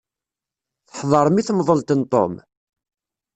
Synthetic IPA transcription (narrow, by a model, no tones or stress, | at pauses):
θə̥ħðˤɑɾˤəmiθmðˤəlt̪ənt̪ˤːo̰m